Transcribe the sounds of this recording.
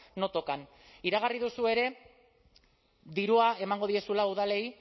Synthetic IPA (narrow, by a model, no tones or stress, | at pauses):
no̞t̪o̞kan | iɾaɣ̞ariðusue̞ɾe̞ | d̪iɾuae̞maŋɡo̞ð̞ie̞sulauðale̞j